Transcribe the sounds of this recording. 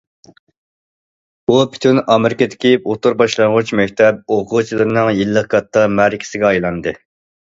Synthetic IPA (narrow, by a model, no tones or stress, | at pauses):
upʰy̥t̪ʰynɑmɪɾɪkɨd̪ɪ̥kʲiot̪uɾbɑʃlˠɑŋʁʊt͡ʃmɛkʲt̪ʰɛp̚oʁʰʊt͡ʃʰilˠɨɾɨnɨŋjilˠːəqkʰɑt̪ʰːɑmæɾɪkʲʰɪ̥sɪɡʲɛɑjlˠɑnd̪ɨ